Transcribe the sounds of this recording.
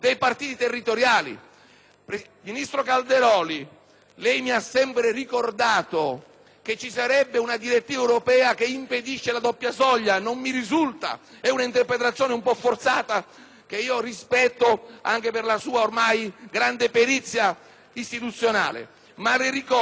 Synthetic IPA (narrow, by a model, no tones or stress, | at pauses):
d̪ejpart̪iːt̪it̪erːit̪oɾjaːlḭ | p | minist̪ɾokald̪eɾɔːli | lɛjmiasːɛmpɾerikord̪aːt̪o | ket͡ʃːisaɾɛbːeunad̪iɾet̪ːiːvaɛwɾopɛːak̟eimped̪iʃːelad̪ɔpːjasɔʎːanomːiɾizult̪a̰ | ɛunaint̪erpɾet̪ɾat̪sjoːneumpɔfːort̪saːt̪a | k̟eiːorispɛt̪ːoa̰ŋkeperlasuːaormajɡɾand̪epeɾit̪sːja | ist̪it̪ut̪sːjona̰ːlḛ | malɪɾikɔ